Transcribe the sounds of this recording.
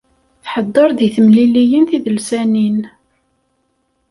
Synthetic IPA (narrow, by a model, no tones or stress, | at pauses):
θħəd̪ˤːɑɾˤðiθəmlilijənθiðəlsænin